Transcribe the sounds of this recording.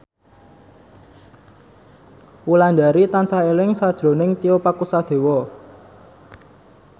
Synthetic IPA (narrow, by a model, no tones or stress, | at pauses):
wuland̪aɾit̪ansaelɪŋsad̥ʒ̥ɾo̤nɪŋt̪iopakusad̪̥e̤wɔ